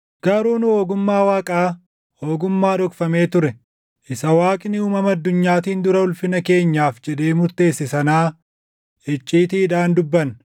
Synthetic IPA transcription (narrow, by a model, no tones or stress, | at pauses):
ɡ̥ɐɾuːnʊhoːɡʊmːaːwaːkʼaː | hoːɡʊmːaːᶑɔkfɐme̞ːt̪ʊɾɛ | ʔɪsɐwaːkʼɪnɪuːmɐmɐɐd̪ːʊɲːaːt̪iːnd̪ʊɾɐʊlfɪnɐke̞ːɲːaːfd͡ʒɛᶑe̞ːmʊɾt̪e̞ːsːɛsɐnaː | ʔɛt͡ʃʼːiːt̪iːd̪aːnd̪ʊbːɐn